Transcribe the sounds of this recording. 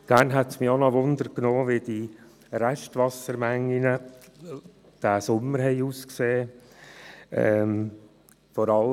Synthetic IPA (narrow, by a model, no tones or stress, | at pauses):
ɡ̥æːnɦɛtsmionɔʋʊnd̪əɾknoːʋid̪i | ɾæʃtʋɑsəɾmæŋːinə | d̥æːsʊmːəɾɦɛɪuːskseː | ɛm | fɔɾɑl